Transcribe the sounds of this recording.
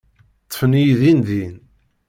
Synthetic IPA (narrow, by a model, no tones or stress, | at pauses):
t̪ˤːə̥fənijðinðin